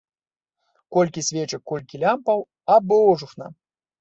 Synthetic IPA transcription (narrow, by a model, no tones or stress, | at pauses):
kolʲkʲisʲvʲet͡ʃɛkːolʲkʲilʲampaw | abɨoʐuxna̰